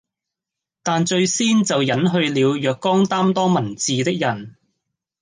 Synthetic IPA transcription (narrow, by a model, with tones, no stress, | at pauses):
t̪aː˨nt͡ʃɵ˧ɥsiː˥nt͡sɐ˨wjɐ˨˥nɦɵ˧ɥliː˨˧wjœː˨kːɔː˥ŋt̪aː˥mt̪ɔː˥mɐ˨˩nt͡siː˨t̪ɪ˥k̚jɐ˨˩n